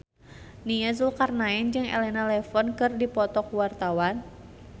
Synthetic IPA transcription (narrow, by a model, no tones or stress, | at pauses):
niazulkarnaɛnd͡ʒɨŋɛ̰lɛnalɛfɔnkɨrdipɔt̪ɔkwart̪awan